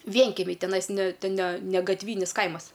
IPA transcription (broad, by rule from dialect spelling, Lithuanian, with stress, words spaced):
ˈʋʲiɛŋʲkʲɛmʲɛɪ tʲɛˈnɐɪs nʲɛ nʲɛ nʲɛ ɡɐtʲˈʋʲiːnʲɪs ˈkɐɪmɐs